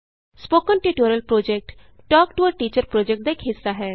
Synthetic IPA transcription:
spoːkənʈiːʈoːɾəlpɾoːd͡ʒek̚ʈ | ʈɔːkʈuəɾʈiːt͡ʃəɾpɾoːd͡ʒek̚ʈ̚d̪aekɦɪsːaɦɛː

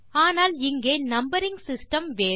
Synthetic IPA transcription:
aːnaːlɪŋɡeːnɐmbɐɾɪŋɡsɪsʈɐmʋeː

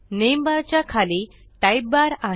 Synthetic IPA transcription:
nembaɾt͡ɕjakʰale | ʈajb̚baɾa

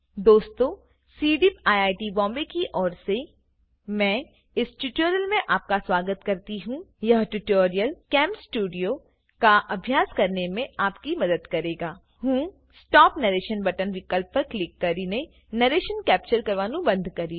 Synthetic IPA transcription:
d̪oːst̪õ | siːɖɪpaːjaːɪʈibɔ̃ːmbekiʔɔːɾse | mɛ̃ː | ɪsʈʊʈoːɾijəlmẽʔaːp̚kaswaːɡət̪kɐɾt̪iɦũjɐɦʈʊʈoːɾijəlkɛ̃ːmpsʈuːɖijo | kaʔɐbʱjaːskɐɾnemẽaːpkimɐd̪əd̪kɐɾeːɡaː | ɦũː | sʈɔːpnɐɾeːʃənbɐʈənʋɪkəlp̚ːɐɾklɪkːɐɾiːne | nɐɾeːʃənkɛːp̚t͡ʃəɾkɐɾʋaːnũbɐ̃nd̪ʱkɐɾiː

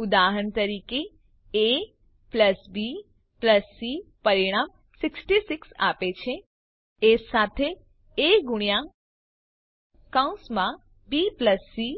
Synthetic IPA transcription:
ud̪aɦəɳt̪əɾike | e | pləsbi | pləsːipəɾiɽ̃am | sɪksʈisiksa̰pet͡ʃʰe | esat̪ʰe | eɡʊɽ̃ijã | kaũsmã | bipləsːi

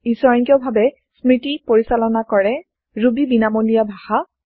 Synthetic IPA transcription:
isɔɹɔŋkijɔbʱabɛ | smɹitipoɹisalɔnakɔɹɛ | ɹubibinamolijabʱaxa

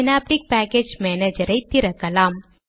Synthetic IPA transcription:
napɾik̚pɛked͡ʒmɛned͡ʒəɾəjt̪ːiɾəkɐlam

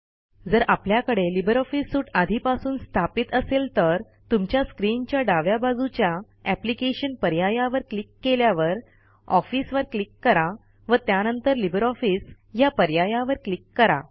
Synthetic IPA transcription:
d͡zəɾapljakəɽelibəɾɔfisːuːʈad̪ʱiːpasuːnst̪ʰapiːt̪əselt̪əɾ | t̪umt͡ɕjaskɾint͡ɕjaɖaʋjabad͡zut͡ɕja | æplikeɕənpəɾjajaʋəɾklikːeljaʋəɾ | ɔfisʋəɾklikːəɾa | ʋət̪janənt̪əɾlibəɾɔfiːs | japəɾjajaʋəɾklikːəɾa̰

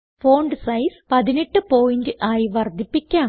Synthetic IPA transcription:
fo̞ːɳɖɨsɐjspɐðineʈːɨpo̞ːjindɨʔaːjiʋɐrd̪ʱːipːikʲːaːm

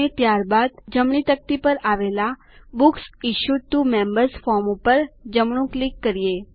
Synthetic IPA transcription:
et̪jaɾbad̪d͡ʒəmɳ̃it̪ək̚t̪ipəɾaʋela | buksiʃuʈumẽmbəɾsfɔɾmũpəɾd͡ʒəmɳũklikːəɾije

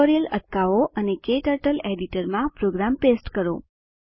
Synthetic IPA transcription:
oɾijələʈ̚kaʋoʔənekeʈəɾʈəleɖiʈəɾmãpɾoɡɾampesʈkəɾo̰

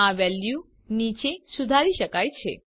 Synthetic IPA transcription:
aʋɛlju | nit͡ʃesud̪ʱaɾiʃəkajt͡ʃʰḛ

